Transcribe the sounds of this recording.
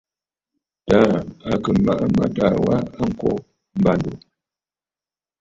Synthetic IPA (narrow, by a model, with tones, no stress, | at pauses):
ta˦a˨kə˨ma˨ʔa˦ma̰˨ta˨wa˦a˦ŋ̩˦˨kɔ˦ | m̩˦ba˨ndo˨